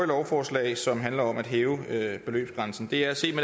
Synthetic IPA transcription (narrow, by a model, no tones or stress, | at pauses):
lɒʊfɒːslɛ̰ːɪsɒ̽mɦænlɐɒ̽mæd̥ɦeːʊøb̥e̝lø̰ːb̥sɡ̥ʁɑ̈nsn̩d̥e̝æɐæse̝̰ːme